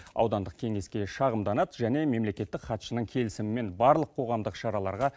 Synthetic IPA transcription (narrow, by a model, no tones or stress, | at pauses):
ɑ̰wd̪ɑnd̪əq̚kʲʰe̞ŋe̞skʲe̞ʃɑʁəmd̪ɑnɑt̪ʒæne̞me̞mle̞kʲe̞t̪ːɪkχɑt̪ʃənəŋkʲʰe̞lɪsɪmɪme̞nbɑɾlˠəqʰo̞ʁɑmd̪əqʃɑɾɑlˠɑ̰ɾʁɑ